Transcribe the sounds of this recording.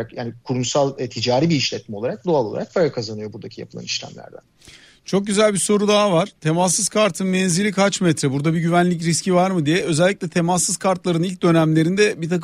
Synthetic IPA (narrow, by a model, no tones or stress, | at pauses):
kjaːnikʰuɾumsalˠt̪ʰid͡ʒaːɾiːbiiʃlʲɛt̪̚mɛolˠaɾak̚d̪oalˠo̞lˠa̰ɾak̚pʰaɾakʰazanɯjo̞buɾd̪acʰija̰pʰɯlˠa̰niʃlʲæ̰mlʲæ̰ɾd̪æ̰n | t͡ʃʰo̞k̚ɟyzælʲbiso̞ɾud̪aɦavaɾ̥t̪ʰe̞masːɯz̥kʰaɾt̪ʰɯnmɛnzilʲikʰat͡ʃmɛt̪ʰɾɛbuɾd̪abiɟyvænlʲic̬ɾiscʰivaɾmɯd̪ijɛø̞zɛlʲːicʲlʲɛt̪ʰe̞masːɯz̥kʰaɾt̪lˠaɾɯnilʲc̚d̪ø̞næmlʲe̞ɾind̪ɛbit̪ʰak